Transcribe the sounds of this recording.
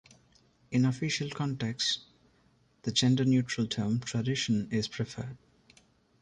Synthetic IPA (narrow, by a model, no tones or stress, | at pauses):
ɪ̃nəfɪʃəlkʰɔ̃ɳʈeks | d̪̥əd͡ʒɛ̃nɖənjuːʈɾəlʈʰəːmʈʰɾəɖɪʃə̃nɪz̥pʰɾɪfəːɖ̥̚